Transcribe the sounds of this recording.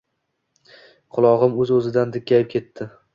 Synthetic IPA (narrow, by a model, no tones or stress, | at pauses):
qʰʊlˠɒʁɨmɵzɵzɪd̪and̪ɪkʲʰːajɪp̚kʲʰe̞t̪ʰːɪ